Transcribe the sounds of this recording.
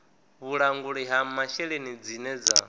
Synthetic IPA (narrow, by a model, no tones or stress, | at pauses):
βuɺaŋɡuɺiɦamaʃɛɺenid͡zinɛd͡za̰